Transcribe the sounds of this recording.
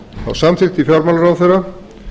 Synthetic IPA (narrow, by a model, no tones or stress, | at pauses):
a̰wsamθɪxt̪ifjaɾmalaɾawθejɾa